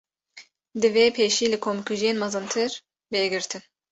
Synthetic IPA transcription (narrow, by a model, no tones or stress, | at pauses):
d̪ɨveːpʰeːʃiːlɨkʰomkʰuʒijeːnmɑzɨnt̪ʰɨɾ | beɡɨɾt̪ʰɨn